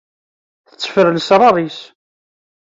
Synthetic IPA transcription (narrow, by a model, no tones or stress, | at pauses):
θə̥t͡sːə̥fəɾəlsɾˤɑrˤis